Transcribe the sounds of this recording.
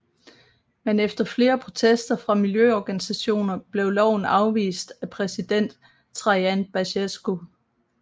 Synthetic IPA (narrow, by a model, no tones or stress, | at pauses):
menefd̥ɐfle̝ːɐpʰʁo̝t͡sʰesd̥ɐfʁɑ̈miljøɒɡ̥ænisæɕo̝̰ːnɐb̥le̝ʊlɒʊn̩ɑ̈ʊʋḭːsd̥æpʰʁɛsid̥en̰d̥ | t͡sʰʁɑ̈ænb̥æɕesɡ̥o̝